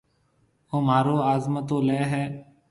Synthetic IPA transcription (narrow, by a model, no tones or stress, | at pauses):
oːmaːɾoːaːzmət̪õːleːɦɛː